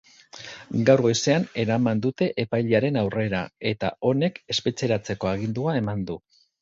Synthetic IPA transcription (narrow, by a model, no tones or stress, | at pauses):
ɡawɾɣo̞jse̞ane̞ɾamand̪ut̪e̞ʔepajʎeaɾe̞nawre̞ɾae̞t̪a̰o̞ne̞ke̞spe̞t͡se̞ɾat͡se̞ko̞aɣ̞ind̪uae̞mand̪u